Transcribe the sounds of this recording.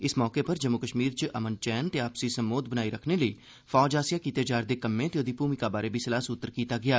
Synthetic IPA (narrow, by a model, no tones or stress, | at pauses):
ɪsmɔːkeːpəɾd͡ʒəmːukəʃmiːɾt͡ʃəʔəmənt͡ʃɛːnt̪eːaːpsiːsəmboːd̪bənaːiːɾəkʰneːləiː | fʰɔːd͡ʒaːsɪjaːkiːt̪eːd͡ʒaːɾd̪eːkəmːẽːt̪eoːd̪iːpuːmikaːbaːɾeːbʱiːsəlaːsʊt̪ːəɾkiːt̪aːɡɪjaː